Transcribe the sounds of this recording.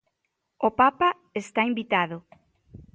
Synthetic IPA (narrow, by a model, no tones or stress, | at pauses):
opapa | est̪aimbit̪aðo